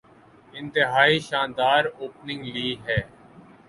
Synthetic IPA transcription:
ɪ̃nt̪ɪɦaːiːʃãːnd̪aːɾoːpnɪ̃ŋɡliːɦɛː

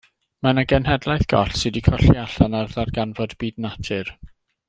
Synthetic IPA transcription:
manaɡɛnhɛdlˠajθɡ̥ɔ̰ɬsɨdikʰɔɬiaɬanarðarɡanvɔdbiːdnatʰɨr

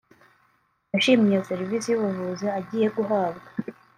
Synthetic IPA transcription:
aʃiːmijaseɾivisijuβuvuzeaɟiːje̞ɡuɦaːbɡḁ

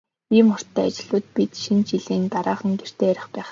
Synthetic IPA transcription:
iːmχɔr̥t̪ʰːæːat͡ɕɪ̆ɮʊːt̪̚pit̪ʃint͡ɕiɮeːnt̪aɾaːχə̆ŋɡer̥t̪eːæɾʲɪ̆χpæːχ

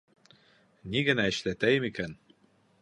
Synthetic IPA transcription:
niɡɘ̆næɘ̆ʃlæt̪æjɘmikæn

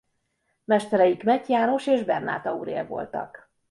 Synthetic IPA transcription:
mɛʃt̪ɛɾɛjikmɛcjaːno̞ʃeːʒbɛrna̰ːt̪ɒṵɾḛːlvo̞̰lt̪ɒ̰k

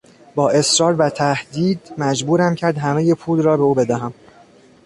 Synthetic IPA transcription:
bɒːʔe̞sɾɒːɾvæt̪ʰæhd̪iːd̪mæd͡ʒbuːɾæmcʰæɾd̪ɦæme̞jepʰuːlrɒːbe̞uːbe̞d̪æɦæm

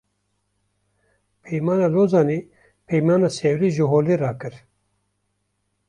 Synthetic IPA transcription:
pʰɛjmaːnaːloːzɑːniː | pʰɛjmaːnaːseːwɾiːʒɨɦoːliːɾɑːkɨɾ

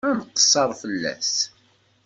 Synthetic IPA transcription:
ænəqːə̥sˤːɑɾˤfəlːæ̰s

